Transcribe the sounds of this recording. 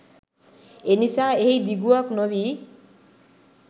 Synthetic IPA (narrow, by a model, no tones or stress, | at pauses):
enisaehijd̪iɡuaknobi